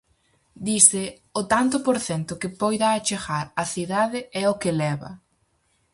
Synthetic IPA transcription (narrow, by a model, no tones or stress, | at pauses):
d̪isɪ | ʊt̪ant̪ʊpoɾθɛnt̪ʊkɪpɔjðaːt͡ʃeɣaɾɐθiðaðɪɛokɪlɛβɐ̰